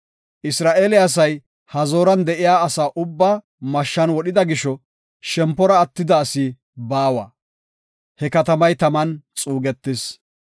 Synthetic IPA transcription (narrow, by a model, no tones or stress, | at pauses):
ʔɪsɾaːʔeːlɪɐs̬ɐj | hɐzo̞ːɾɐnd̪ɛʔɪjaːɐsaːʔʊbːaː | mɐʃːɐnwɔɗɪd̪ɐɡɪʃɔ | ʃɛmpːɔɾɐːt̪ːɪd̪ɐːsɪ | baːwɐ̰ː | hɛkɐt̪ɐmɐjt̪ɐmɐnt͡sʼuːɡɛt̪ːɪs